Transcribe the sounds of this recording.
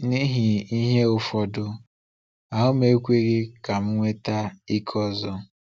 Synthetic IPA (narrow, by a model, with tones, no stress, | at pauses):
ni˦ɦi˨i˦ɦe˦ʊ˨fɔ˨dʊ˦ | a˨ɦʊ˦m˦e˨˦kʷe˦ɡe˦ka˨m̩˦ŋʷe˦ta˦i˦kʰɔ˦zɔ˦